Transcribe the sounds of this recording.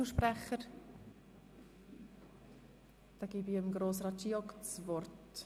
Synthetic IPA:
uːʃprɛχəɾ | d̥ɑːɡ̥iːbiəmɡɾoːsrɑːtt͡ʃiːɔkt͡svɔrt

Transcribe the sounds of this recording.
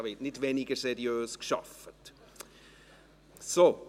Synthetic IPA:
vɪtnɪtveniɡəsɛɾiøːskʃɑ̰fət | so

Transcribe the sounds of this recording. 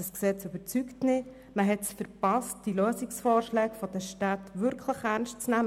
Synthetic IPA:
əsksɛt͡sybəɾt͡syktnɪ | məɦɛtsfəɾpɑst̚d̥iløːsiksfɔːɾʃlɛːkfɔd̥əʃtaːtʋʏɾkʰləχæɾnstt͡snæm

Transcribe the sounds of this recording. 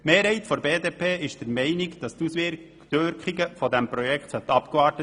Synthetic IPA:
meːɾhɛɪt̪fɔɾbeːdeːpʰeːɪʃd̥əɾmɛɪnɪɡd̥ɑst̪usʋɪ | tøɾkχiɡəfɔdæmpɾɔjɛkχt̪sœt̪ɑpkɑːɾtə

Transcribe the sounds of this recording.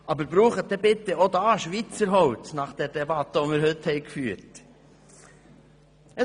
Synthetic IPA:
ʔɑbəɾbɾuːχət̚d̥̪ɛbɪt̪əod̪ɑːʃʋit͡səɾɦɔʊtnɑχd̥ɛɾdɛbɑt̪əomɪːɾhɵthɛɪkfyːɾt | ə

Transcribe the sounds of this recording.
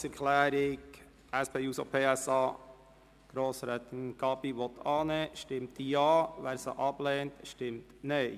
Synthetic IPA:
ɛɾkʰlæːɾɪɡ | ɛspʰeːjuːso̰pʰeːɛsɑː | ɡ̥ɾoːsɾɛːt̪ənɡ̥ɑːbiʋɔt̪ʰɑːnəʃtɪmt̪jɑːʋæːɾsə̰ʔɑbleːnt̪ʃtɪmt̪nœɪ

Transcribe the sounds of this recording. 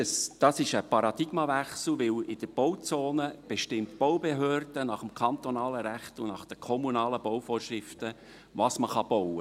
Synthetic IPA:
əsd̥ɑsɪʃəpɑɾɑd̥̪ɪɡ̥mɑvæχsl̩ʋɪlɪd̥əb̥ɔwt͡soːnəb̥eʃtɪmtb̥owbeɦøːrd̥ənɑχəmkʰɑnt̪onɑːləɾæχtʊnɑχd̥əkʰɔmunɑːləbowfoːrʃʁɪftə | ʋɑsməχɑb̥ɔwə

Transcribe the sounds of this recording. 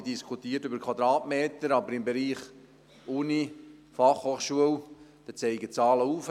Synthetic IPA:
diskʰutiːətʏbəɾkʰwɑd̪ɾɑːtmeːt̪əɾɑbəɾɪmbeɾiːχ | uni | fɑχhoːχʃuəwd̥ɛt͡sɛɪɡət͡sɑːləuːf

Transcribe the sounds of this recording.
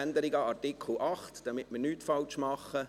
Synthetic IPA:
nd̪əɾɪɡɑɑrtɪkʰl̩ʔɑχtd̥ɑmɪtmənyːtfɑlt͡ʃmɑχːə

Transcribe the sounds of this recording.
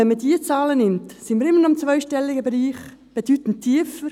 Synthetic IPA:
ɛnmədiːət͡sɑːlənɪmtsinməɾɪmənɔɪmt͡svœʏʃtɛlːɪɡəbeɾiːχ | b̥ed̥ytn̩tʰːiːəfəɾ

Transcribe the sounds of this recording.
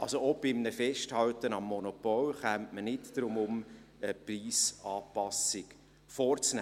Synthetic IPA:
ɑlsoob̥ɪmnəfɛʃthɑwtənɑmːɔnɔpɔlχæmtmənɪtd̥ɾʊmʊməpriːsɑːpɑsɪk | fɔːɾt͡snæ

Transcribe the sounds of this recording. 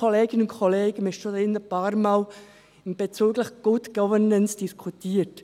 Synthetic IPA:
oleːɡɪnʊnkʰoleːɡ̥əmɪʃodɪndəbɑːɾmɑl | b̥et͡syːɡlɪxɡ̥ʊdɡ̥ɔvənənsd̥iskʰutʰiːət

